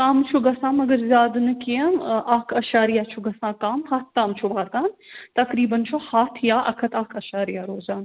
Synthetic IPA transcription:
kaːmt͡ʃʰuɡɐsãːmɐɡɐɾzʲaːd̪nɨkiɐmʔaːkʰɐʃaːɾijat͡ʃʰuɡɐsãːkaːmhaːt̪̚ʰt̪aːmt͡ʃʰuʋaːɾɡaːnt̪ɐkɾiːbɐnt͡ʃʰohaːt̪ʰjaːʔɐkʰɐt̪aːkʰɐʃaːɾijaɾoːzaːn

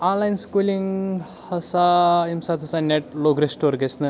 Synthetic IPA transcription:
ãːnlajnskuːliŋ | hɐsaimsaːt̪ʰɐsaneʈ̚loːɡɾesʈoɾɡesnɨ

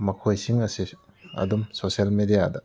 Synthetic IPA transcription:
mɐkʰojsiŋɐsi | ɐ̰dumsosɐlmedijadɐ

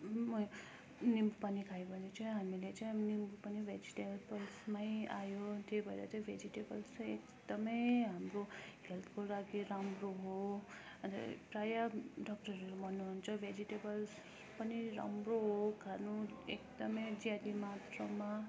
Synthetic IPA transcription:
mʌ | nimbupanikʰajbʱʌnet͡sʰʌɦamilet͡sajnimbupanibʱed͡ziʈebʌlsmajajot̪ebʱʌḛɾa̰t͡saĩbʱed͡ziʈebʌlsek | d̪ʌmʌjɦamroɦelt̪ʰkoɾaɡeɾamroɦo | ʌnt̪prajaɖʌk̚ʈʌɾebʱʌnːuɦunt͡sʰʌbʱed͡ziʈebʌls | pʌniɾa̰mroɦokʰanuekd̪ʌmʌjd͡zjad̪imat̪rʌma

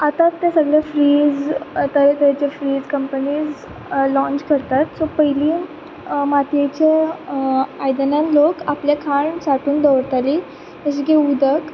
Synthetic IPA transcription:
at̪at̪ːesəɡɭjafɾiːd͡zt̪əɾt̪əat͡ɕefɾiːd͡zkəmpəniːd͡z | lɔ̃nt͡ɕkəɾt̪at̪sopəɦiliː | mat̪jet͡ɕe | ajd̪ənãnlokapljakʰaɳsaʈuːnd̪əʋɽt̪ali | t̪əɕikeud̪ʱək

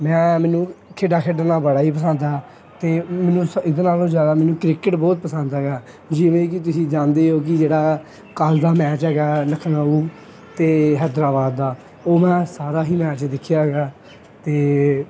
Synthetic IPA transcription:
mɛ̃ːmɛ̃ːnũːkʰeːɖaːkʰeːɖanaːbəɽaːiːp̬əsənd̪aː | t̪eːmɛ̃ːnũːsɪd̪eːnaːlõːd͡ʒjaːd̪aːmɛːnũːkɾɪkəʈbɔːt̪̚pəsə̃nd̪ɛːɡaː | d͡ʒɪʋẽːkɪt̪ʊsĩːd͡ʒãːnd̪eːɦoːk̬ɪd͡ʒeːɽaː | kəld̪aːmɛːt͡ʃɦɛːɡaːləkʰənəuː | t̪eːɦɛːd̪ɾaːbaːd̪ːaː | oːmɛ̃ːsaːɾaːɦiːmɛːt͡ʃd̪ɪkʰɪjaːɡaː | t̪eː

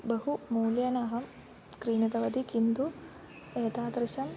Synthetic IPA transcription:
bɐɦumuːljɐnaːɦɐm | kɾiːnid̪ɐʋɐd̪ikind̪u | eːt̪aːd̪ɾɪʃɐm

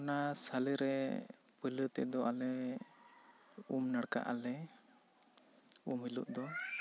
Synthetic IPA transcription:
ɔnasaləɾɛpələt̪ɛ̰d̪ɔʔalɛ | umnaɽka̰ʔalɛ | umilṵʔd̪ɔ

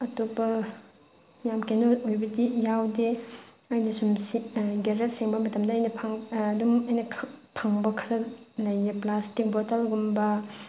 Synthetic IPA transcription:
ɐtopɐ | jamkenoojbɐɡijawdeajnɐsumsiɡeɾet̚siŋbɐmɐtɐmdɐːjnɐpʰaŋːdumɐjnɐkʰpʰaŋbɐkʰɐɾɐ | lɐjeplastik̚botalɡumbɐ

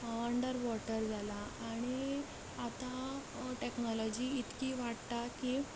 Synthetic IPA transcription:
əɳɖəɾʋɔʈəɾd͡zalaːɽ̃i | at̪aʈeknɔlɔd͡ʑiːt̪kiːʋaʈt̪aki

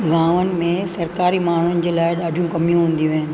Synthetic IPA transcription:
ɡãːʋənɪ̆mẽsɐɾkaːɾimaːɳ̤ʊnɪ̆d͡ʑeːlaːɪɗaːɖʱijũkɐmijũɦũːn̆d̪ijũʋɦɪnɪ̆

